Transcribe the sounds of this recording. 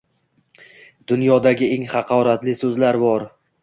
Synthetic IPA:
d̪̥ʊnjɒd̪aɡʲɪe̞ŋχɑqʰɒɾat̪lɪsɵzlaɾbɒɾ

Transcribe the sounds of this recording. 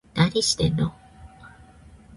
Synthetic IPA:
d̪̥aɾʲiɕi̥t̪eno

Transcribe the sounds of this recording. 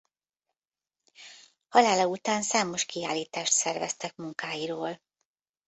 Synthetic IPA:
hɒlaːlɒut̪aːnsaːmo̞ʃkiaːlːiːt̪aːʃt̪sɛrvɛ̰st̪ɛkmuŋkaːjiɾoːl

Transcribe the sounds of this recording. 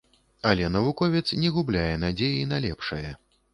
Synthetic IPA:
ɐlʲɛn̪ɐvukɔvʲɛt̪snʲɛɣublʲajɛn̪ad͡zʲejinalʲɛpʂɐjɐ

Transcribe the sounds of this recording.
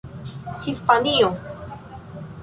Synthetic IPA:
hispanio

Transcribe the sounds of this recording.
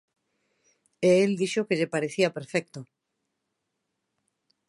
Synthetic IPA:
eeld̪iʃokeʎepaɾeθiapeɾfek̚t̪o

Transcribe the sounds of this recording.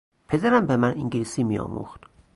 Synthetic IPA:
pʰe̞d̪æɾæmbemæniŋɟlisiːmiɒ̰ːmṵxt̪

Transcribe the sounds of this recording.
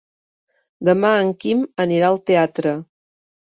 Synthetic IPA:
d̪əmaəŋkiməniɾaəlˠt̪eat̪ɾə

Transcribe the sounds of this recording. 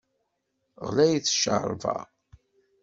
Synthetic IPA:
ʁlæjiθʃə̰ɾˤvɑ̰

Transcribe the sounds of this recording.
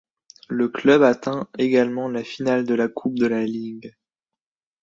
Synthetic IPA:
ləklœbat̪ɛ̃eɡalmɑ̃lafinald̪əlakʰup̚d̪əlaliɡ

